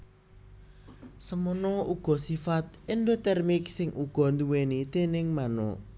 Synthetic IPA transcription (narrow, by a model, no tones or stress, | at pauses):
səmənɔuɡ̥ɔ̤sifat̪̚ɪnd̪ot̪ɛrmik̚sɪŋuɡ̥ɔ̤nd̪uwenid̪̥e̤nɪŋmanɔ̰